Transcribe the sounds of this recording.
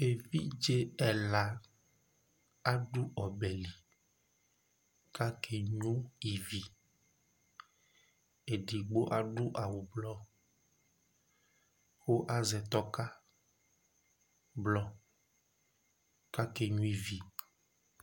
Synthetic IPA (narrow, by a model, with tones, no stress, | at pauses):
e˨vi˦d͡ʒe˦ɛ˨la˨ | a˦ɖu˦ɔ˨bɛ˨li˨ | ka˦kʰe˨ɲũ˦i˨vi˨ | e˨ɖi˨ɡ͡bo˦ʔa˦ɖu˦ʔa˨wu˨blɔ˦ | xo˦ʔa˦zɛ˨t̪ɔ˦ka˦ | blɔ˦ | ka˦ke˨ɲũ˦i˨vi˨